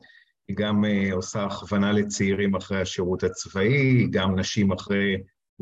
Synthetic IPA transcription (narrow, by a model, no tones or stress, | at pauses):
hiɡameo̞saːχvanalet͡siiʁimaχʁejhaʃiʁut̪hat͡svaiɡamnaʃimaχʁej